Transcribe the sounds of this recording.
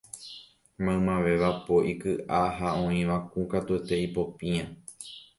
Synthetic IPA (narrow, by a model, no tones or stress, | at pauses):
mãmãʋe̞ʋapo̞ʔikɨʔaɦaõ̞ĩʋakũkat̪ue̞t̪e̞ipo̞pĩã